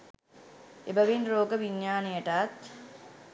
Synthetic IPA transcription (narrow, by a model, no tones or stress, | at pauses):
ebəʋinroːɡəʋiɲːaːnijəʈat̪